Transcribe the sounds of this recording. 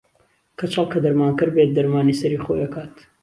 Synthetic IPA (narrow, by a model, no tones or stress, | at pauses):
kʰɐt͡ʃʰɑlˠkɐd̪ɐɾmaːnkɨɾbet̪̚d̪ɐɾmaːniːsɐɾiːxo̰jɐkaːt̪